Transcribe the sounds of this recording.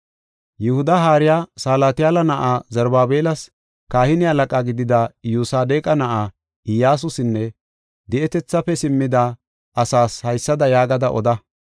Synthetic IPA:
jɛhʊd̪ɐɦaːɾɪjaːsaːlaːt̪ɪjaːlɐnɐʔaːzɐɾbaːbeːlɐs | kaːhɪnɪɐlɐkʼaːɡɪd̪ɪd̪ɐjuːsaːd̪eːkʼɐnɐʔaː | ɪjaːs̬ʊsɪnːɛ | d̪ɛʔɛt̪ɛt͡sːɐfɛsɪmːɪd̪ɐ | ʔɐsaːshɐjsːɐd̪ɐjaːɡɐd̪ɐʔɔ̰d̪ɐ

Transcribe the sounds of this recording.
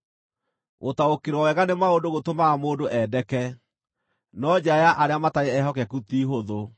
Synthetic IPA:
wʔotaokeɾwawɛɣanemaodoɣotomaamoːdoʔɛdɛkɛ | nɔd͡ʑajaʔaɾeamataeɛɦɔkɛkut̪iɦoðo

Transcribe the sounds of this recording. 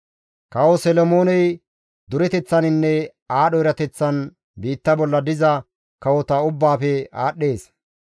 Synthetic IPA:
kɐwɔsɛlɔmoːnɛj | d̪ʊɾɛt̪ɛt͡sːɐnɪnːɛ | aːɗɔɪɾɐt̪ɛt͡sːɐn | biːt̪ːɐbɔlːɐd̪ɪzɐ | kɐwɔt̪ɐʊbːaːfɛa̰ːɗːe̞ːs

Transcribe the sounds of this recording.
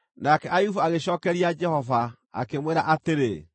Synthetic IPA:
nakɛʔajufuaɣeɕɔːkɛɾiad͡ʒɛhɔva | a̰kemweɾaʔateɾe

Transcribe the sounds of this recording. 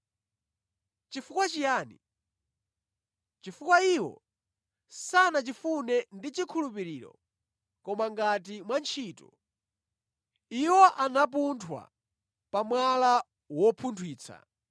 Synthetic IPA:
t͡ʃifukwat͡ʃijaːnḭ | t͡ʃifukwaiwɔ̰ | sanat͡ʃifunɛndit͡ʃikʰulupiɾiːɾɔ̰ | kɔmaŋɡat̬imwant͡ʃʰiːtɔ̰ | iwɔʔanap̬untʰwa̰ | pamwala | wɔpʰuntʰwiːt͡sʰa̰

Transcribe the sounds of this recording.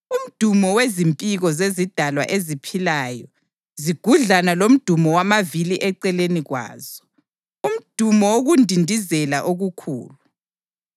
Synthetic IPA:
um̩d̥ʱumɔwezimpʼiɣɔzezid̥ʱalwa̰ʔezipʰilajɔ | ziɡ̥ʱuɮanalom̩d̥ʱumɔwamaviliʔɛǀɛleniɣwa̰ːz̥ɔ̥ | um̩d̥ʱumɔoɣundʱindʱizɛlaʔoɣukʰṵːlu

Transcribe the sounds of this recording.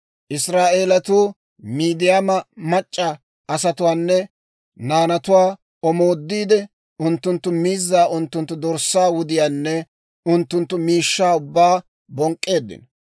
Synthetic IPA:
ʔɪsɾaːʔe̞ːlɐt̪uː | miːd̪ɪjamɐmɐt͡ʃʼːɐ | ʔɐsɐt̪ʊwaːnːɛ | naːnɐt̪ʊwaː | ɔmo̞ːd̪ːiːd̪ɛ | ʊnt̪ːʊnt̪ːʊmiːzːaːʔʊnt̪ːʊnt̪ːʊd̪ɔɾsːaːwʊd̪ɪjaːnːɛ | ʊnt̪ːʊnt̪ːʊmiːʃːaːʊbːaː | bɔŋkʼːe̞ːd̪ːɪ̰nɔ

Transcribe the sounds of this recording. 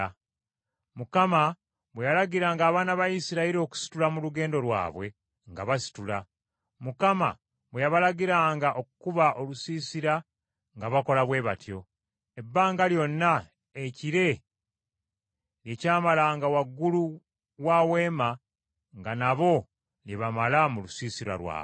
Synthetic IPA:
mukama | βwejalaɡiɾaːŋɡaːβaːnaβaisiɾaiɾio̞ku̥si̥tulamuluɡe̞ːndo̞lwa̰ːβwe̞ | ŋɡa̰βasi̥tula | mukama̰ | βwejaβalaɡiɾaːŋɡaʔo̞kukuβaʔo̞lusiːsiɾa | ŋɡaβako̞laβwe̞ːβatjo̞ | e̞bːaːŋɡaljo̞nːa | eciɾe̞ | ljecaːmalaːŋɡawaɡːulu | wawe̞ːma | ŋɡanaβo̞ | ljeβamalamulusiːsiɾa̰lwa̰ːβwe

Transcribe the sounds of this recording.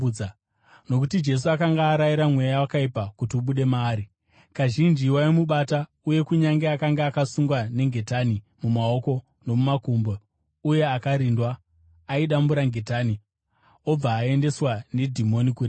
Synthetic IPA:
no̞kutid͡ʒe̞s̬uakaŋɡaːɾaiɾamwe̞jawakaipakutiuɓuɗe̞maːɾi | kaʒind͡ʒiwaimuɓata | uje̞kuɲaŋɡeakaŋɡeakasuŋɡwane̞ŋɡe̞tani | mumao̞ko̞ | no̞mumakumbo | uje̞akaɾindwaː | iɗambuɾaŋɡe̞taːni | o̞b͡vaːe̞nde̞swane̞dʱimo̞nikure

